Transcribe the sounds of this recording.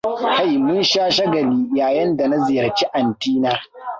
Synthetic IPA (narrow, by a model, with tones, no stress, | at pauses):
ha˦˨jmʊ˦nʃaː˦ʃɐ˦ɡɐ˨liː˦jaː˨jɐ˦nda˨na˦zɪ˨jɐ˨ɾt͡ʃi˦ʔa˨ntiː˦naː˦